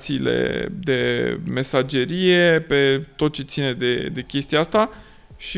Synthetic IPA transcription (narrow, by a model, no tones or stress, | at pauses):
t̪siːle̞̰d̪e̞me̞sad͡ʒe̞ɾije̞pe̞t̪o̞t̪̚t͡ʃe̞t̪sine̞d̪e̞d̪e̞kʲe̞st̪iaast̪a | ʃi